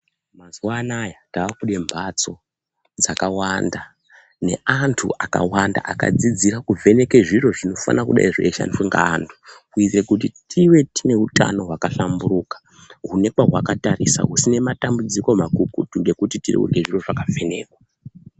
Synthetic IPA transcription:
mazuwanajataːkuɗe̞mbʱat͡so̞ | d͡zakawanda | ne̞̰ʔantʰuʔaka̰wanda̰ʔaka̰d͡zid͡ziɾakuvʱe̞ne̞ke̞ʐiɾo̞ʐino̞fa̰nakuɗa̰iʐḛʃa̰niuŋɡa̰ːntʰu̥kuitrekutitʰiwe̞tine̞uta̰no̞ɦwakaɬamburuːkḁ | ɦune̞kwaɦwakatarisa̰ɦusine̞matambud͡ziko̞makukutuŋɡe̞kutitirḭṵrɡeʐiro̞ʐakavʱe̞ne̞ːkwa

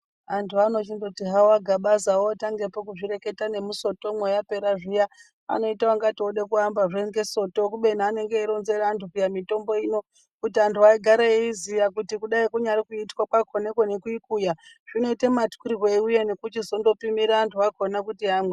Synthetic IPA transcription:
antʰuano̞t͡ʃindotiɦawaɡʱaɓazawotaŋɡe̞pokuʐire̞ke̞tane̞muso̞to̞mwejape̞ɾaʐija | a̰no̞itaaŋɡatioɗekuambaʐeŋɡe̞so̞to̞kuɓe̞n̤aːne̞ŋɡeiɾonze̞raːntukujamito̞mbo̞ino̞ | kutiantʰuaiɡʱaɾeeizijakutikuɗaikuɲaɾikuitkwakwakʰonekwonekuikuja | ʐ̥ino̞itematkiɾirweuje̞nekut͡ʃizo̞ndo̞pimiɾaːntʰuakonakutiamwe

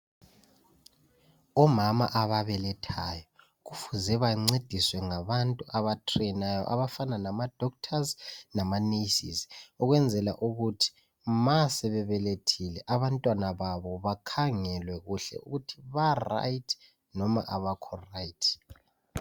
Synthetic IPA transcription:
ɔmama̰ʔaβaβɛlɛtʰaːjɔ | ɣufuzɛβajiŋ͡ǀed̥ʱiswɛŋaβantʼuʔaβatʰrɛnajɔ̰ʔa̰βafananamad̥ʱɔk̚tʰaznamaneisḭsi̥ɔɣwɛnd͡zʱɛla̰ʔuɣutʰi̥ | masɛβɛβɛletʰilɛʔaβantʼwanaβaβɔβakʰaŋɛlwɛɣuɬɛ̰ṵɣutʰiβara̰jtʰ | nɔma̰ʔaβakʰɔrajtʰ

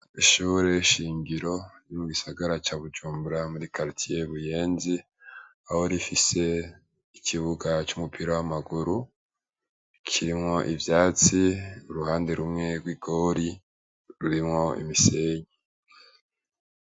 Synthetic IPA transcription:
iʃuːɾe̞ʃiːŋɡiɾo̞njomuɡisaɡaɾat͡ʃaːβud͡ʒuːmbuɾamuɾikaɾtʰije̞βuje̞ːnzi | aho̞ɾifise̞ | icʰiβuɡat͡ʃumupʰiɾawamaɡuɾu | kʰiɾimŋo̞ʔivjaːt͡siuɾuhaːnde̞ɾumŋe̞ɡwiɡ̥o̞ːɾi | ɾuɾimŋo̞ḭmiseɲe

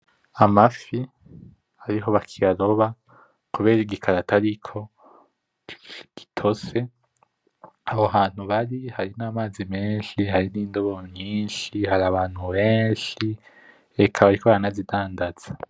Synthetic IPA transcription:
amafi | haɾiɦo̞βakʰijaɾo̞βa | kuβe̞ːɾiɡikʰaɾataɾikʰo̞ | ɡ̥i̥tʰo̞ze̞ | aβoɦaːn̥huβaɾihaɾinaːmaːzimeːnʃiɦaɾiniːndoβoɲiːnʃiɦaɾaβaːn̥huβeːnʃi | ekʰaβaɾikoβaɾanazidaːndaz̥ḁ

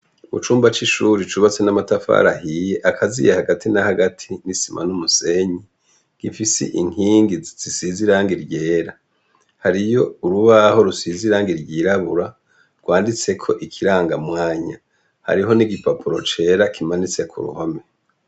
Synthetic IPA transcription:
mṵt͡ʃuːmbat͡ʃiʃuɾit͡ʃuβat͡se̞namatafa̰ɾahije̞ʔakʰazḭjehaɡatʰinahaɡatʰinisimʔa̰numuse̞ɲi | ɡ̥ifisḭʔiŋ̥hiːŋɡiz̥isiziɾaːŋɡiɾɟe̞ːɾa | haɾijo̞uɾuβaho̞ɾusiziɾaːŋɡiɾɟiːɾaβuɾa | ɾɡ̥waːndit͡sekʰo̞ʔikʰiɾaːŋɡamŋaːɲa̰ | ha̰ɾiɦo̞niɡipapʰuɾo̞t͡ʃe̞ːɾakʰimanit͡se̞kʰṵɾṵhome̞

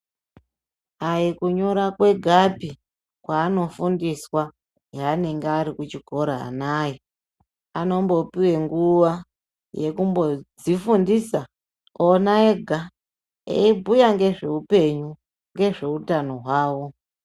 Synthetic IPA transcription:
ajikuɲo̞ɾakwe̞ɡʱapi | kwaːno̞fundiswa | jaːne̞ŋɡeaɾikut͡ʃiɡʱo̞ɾa̰ːnaːji | ano̞mbo̞piwe̞ŋɡuʋa | je̞kumbo̞d͡zifundisa | onae̞ɡʱa | ḛibʱujaŋɡe̞ʐe̞upe̞ɲu | ŋɡe̞ʐe̞utano̞ɦwaːwo̞

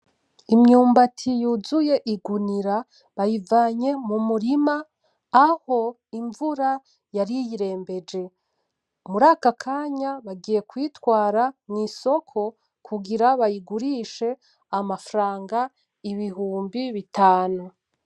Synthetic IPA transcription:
imɲuːmbatʰijuzuje̞ʔiɡuniɾa | βajivaːɲe̞mumuɾimaː | ho̞ | iɱvuɾa | jaɾijiɾe̞ːmbe̞d͡ʒe̞ | muɾaːkakʰaːɲaβaɡije̞kwiːtwaːɾaniːso̞kʰo̞ | kʰuɡiɾaβajiɡuɾiːʃe̞ | amafɾaːŋɡa | iβiɦuːmbiβitʰaːnu

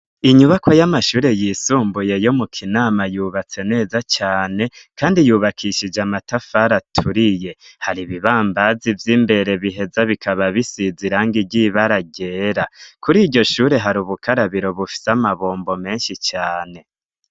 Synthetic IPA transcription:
iɲuβakʰojamaʃuːɾe̞jiːsuːmbuje̞jo̞mukʰinaːmajuːβat͡se̞ne̞ːzat͡ʃaːne̞kaːndijuːβakʰiʃid͡ʒamatafaɾatʰuɾije̞haɾiβiβaːmbazivjiːmbe̞ɾe̞βiɦe̞zaβikʰaβaβisiziɾaŋɡiɟiβaɾaɟe̞ːɾakuɾiːɾɟo̞ʃuːɾe̞ɦaɾuːβukʰaɾaβiɾo̞βufi̥seamaβoːmbo̞me̞ːnʃit͡ʃaːne̞

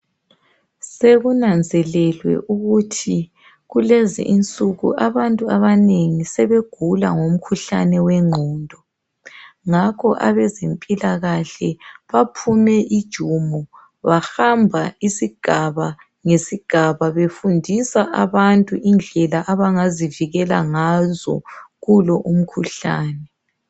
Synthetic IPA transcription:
seɣunand͡zʱɛlɛlwɛ̰ʔuɣutʰi | ɣulezḭʔint͡sʼuɣṵʔaβantʼuaβaneŋisɛβeɡ̥ʱula̰ŋom̩kʰuɬa̰nɛwɛŋ͡ǃʱɔːndʱɔ | ŋakʰɔʔa̰βɛzempʼilaɣaɬɛβapʰumɛʔid̥ʒ̥ʱumɔ | βaxambʱaisiɡ̥ʱaβa | ŋesiɡ̥ʱaβaβefundʱisaʔaβantʼuʔind͡ɮʱɛlaʔaβaŋaziviɣɛla̰ŋazɔ̰ɣulɔʔum̩kʰuɬa̰ːnɛ

